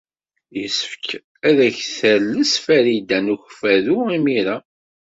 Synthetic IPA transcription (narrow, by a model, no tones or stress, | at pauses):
jəsəfək | æðæçθælːəsfæɾid̪ænuçfæðuʁimiɾæ